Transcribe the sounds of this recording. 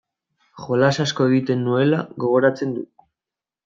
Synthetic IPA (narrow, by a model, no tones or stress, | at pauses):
xo̞lasasko̞e̞ɣ̞it̪e̞nːue̞la̰ɣo̞ɣ̞o̞ɾat͡se̞nd̪u